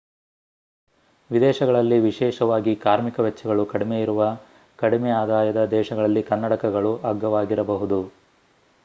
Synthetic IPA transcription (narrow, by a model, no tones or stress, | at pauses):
ʋid̪ɛːʃɐɡɐɭɐlːiʋiʃɛːʃɐʋaːɡikaːɾmikɐʋɛt͡ʃːɐɡɐɭukɐɽimejiɾuʋɐ | kɐɽimɛaːd̪aːjɐd̪ɐd̪ɛːʃɐɡɐɭɐlːikɐnːɐʈɐkɐɡɐɭuʔaɡːɐʋaːɡiɾɐbɐɦud̪u